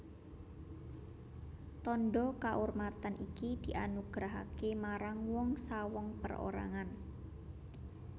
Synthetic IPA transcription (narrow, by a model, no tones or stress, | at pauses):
t̪ɔnɖɔkaʔormat̪anʔikid̪̥i̤ʔanuɡ̥ɾaɦa̰kemaɾaŋwɔŋsawɔŋpəro̰ɾa̰ŋan